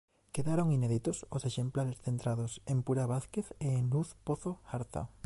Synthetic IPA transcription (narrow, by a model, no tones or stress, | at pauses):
keðaɾoŋineðit̪ososeʃemplaɾesθent̪ɾað̞osempuɾaβaθkeθeːŋluθpoθoaɾθa̰